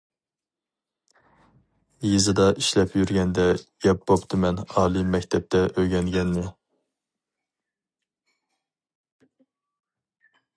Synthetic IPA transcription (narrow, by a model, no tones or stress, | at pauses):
jezɨd̪ɑʔiʃlɛpʰjyɾɡʲɛnd̪ɛɡ̥ʲɛp̚bopt̪ʰɨmɛnɑːlˠɨmɛkʲt̪ʰɛp̚t̪ʰɛʔøjɡʲɛnɡʲɛnmɪ